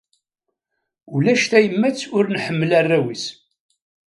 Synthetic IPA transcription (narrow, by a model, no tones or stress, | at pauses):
ulæʃt̪æjəmːæt͡sːʊɾnħəmːəlærːæwis